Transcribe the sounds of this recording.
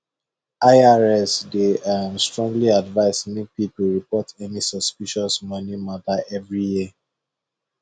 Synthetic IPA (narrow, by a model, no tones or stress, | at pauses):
ʔaɪaɹɛsdeamstɹɔ̃ŋɡliadvaɪsmipipuɹipɔtɛnisɔspiʃɔsmɔnimataʔɛvɹiji